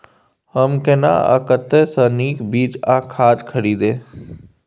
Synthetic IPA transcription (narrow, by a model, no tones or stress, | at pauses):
həmkena̰ːə̰kət̪esəniːkbiːd͡ʒaːkʰaːd͡ʒkʰəɾiːd̪ẽː